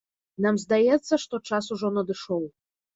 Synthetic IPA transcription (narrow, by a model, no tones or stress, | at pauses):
namzd̪ajɛt̪sːɐʂt̪ɔt͡ʂasuʐɔnɐd̪ɨʂɔw